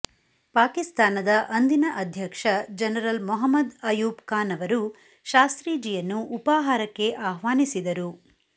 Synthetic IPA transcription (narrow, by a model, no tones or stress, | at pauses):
paːkist̪aːnɐd̪ɐʔɐnd̪inɐʔɐd̪ʱjɐkʂɐd͡ʒɐnɐɾɐlmɔɦɐmːɐd̪ɐjuːpkaːnɐʋɐɾu | ʃaːst̪ɾiːd͡ʒijɐnːuːpaːɦaːɾɐkːe̞ʔaːɦʋaːnisid̪ɐɾu